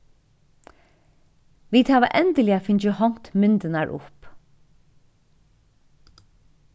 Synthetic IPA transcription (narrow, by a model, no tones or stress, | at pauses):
ʋiːt̪hæːʋa̰ʔɛnd̪əlɪafɪɲt͡ʃəhɔŋ̥t̪mʏnt̪ənaɹʔʊ̰p